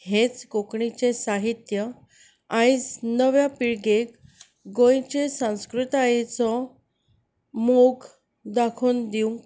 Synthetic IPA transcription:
het͡skokɳit͡ɕesaɦit̪jə | ãjd͡znəʋjapiɭɡek | ɡõjt͡ɕesãw̃skɾut̪ajt͡sɔ | moɡ | d̪akʰuːnd̪iũŋ

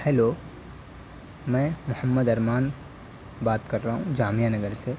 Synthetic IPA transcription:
hɛːloː | mɛ̃ːmʊhəmːəd̪ɐɾmaːn | baːt̪kɐɾːaɦũd͡ʒaːmijanɐɡəɾse

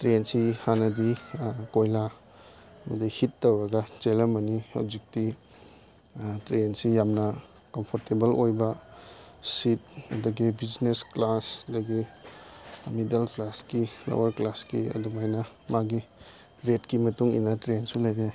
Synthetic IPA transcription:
tɾensihanɐdikojla | mɐdihitːɐwɾɐɡɐt͡ʃelɐmɐnia̰wzik̚ti | tɾensijamnɐ | kɐmpʰoɾtebɐlojbɐ | sit̚ɐ̰dɐɡibid͡ʒnesklasdɐɡi | midalklaskila̰wɐɾklaskiɐ̰dumajnɐ | maɡi | ɾetkimɐtuŋḭnɐtɾensulajbija

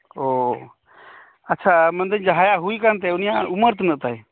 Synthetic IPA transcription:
o | ətːt͡ʃʰamənd̪əɲd͡ʒaɦajaɦuikant̪̬ɛunijauməɾt̪nəʔ̚t̪aj

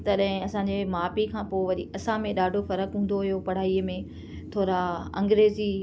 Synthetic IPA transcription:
t̪ɐɗɦɪ̃ɐsãːɲd͡ʑemaːpikʰãːpoːʋɐɗiɐsãmẽɗaːɖʱofɐɾəkɦũːn̆d̪oɦijopɐɽ̤aːiəmẽ | t̪ʰoːɾaɐ̰̃ŋɡɾeːzi

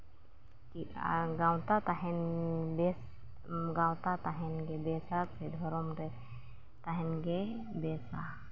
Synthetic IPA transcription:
kiaɡawt̪at̪aɦɛnbɛs | ɡawt̪at̪aɦɛnɡɛbɛsasʰɛd̪ʱɔɾɔmɾɛ | t̪aɦɛnɡɛ | bɛsa

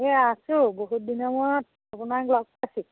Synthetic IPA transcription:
easuboɦut̚dinɔmɔt̚ | apʊnaklɔk̚pasi

